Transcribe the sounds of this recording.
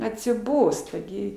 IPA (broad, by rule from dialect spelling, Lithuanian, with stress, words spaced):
ɐtʲsʲɪˈboːstɐ ɡʲɪ